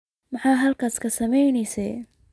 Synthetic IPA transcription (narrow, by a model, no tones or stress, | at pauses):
mɑħɑːɦɐlkʰaːskʰɐsɐmɛjnɛjsɛ̰j